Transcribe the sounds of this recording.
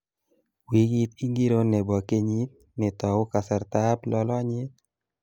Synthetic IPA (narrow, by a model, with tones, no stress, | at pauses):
wi˨˦ɡi˦ti˦ŋɡi˦ɾo˦nɛ˨bɔ˨ke˦ɲi˦t | nɪ˨t̪ɔ˨wʊ˦ka˨sɛ˨ɾt̪a˦plɔ˦lɔ˦a˦ɲɪ˦t